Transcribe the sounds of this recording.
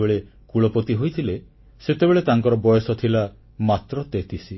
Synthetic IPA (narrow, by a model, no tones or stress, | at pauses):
eɭekuɭɔpɔt̪iɦojt̪ʰile | set̪ebeɭet̪aŋkɔɾɔbɔjɔsɔt̪ʰila | mat̪ɾɔt̪et̪ʰisi